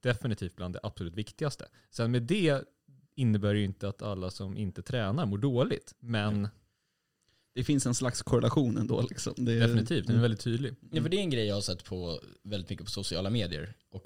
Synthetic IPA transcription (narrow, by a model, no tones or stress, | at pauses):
d̪̥ɛfɪnɪt̪ʰiːft̪̚bland̪ɛ̰ʔapsɔlʉ̟ːt̪vɪkt̪ɪɡast̪ʰə | sɛnmeːd̪ɛ | ɪnːəbæːɾjɪnt̪əat̪ʰalːasɔmʔɪ̰nt̪ət̪ʰɾɛːnaɾmuːɖoːlɪt̪mɛn | d̪̥ɛfɪnsɛnslakskʰɔɾɛlaɧuːnɛ̰nd̪o̰ːlɪksɔ̰md̪ɛd̪ɛfɪnɪt̪ʰiːft̪d̪ɛnɛvɛlɪt̪ʰːyːd̪lɪnɛfəɖɛɛnɡɾɛjːjɑːhaʂɛt̪ːpʰɔvɛld̪ɪt̪mʏkːəpʰɔ̥sʊsɪɑ̰ːlameːd̪ɪə̰ɾʔɔk